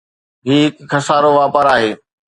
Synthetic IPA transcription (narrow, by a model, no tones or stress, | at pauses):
ɦiːɦɪkkʰɐsaːɾoʋaːpəɾaːɦeː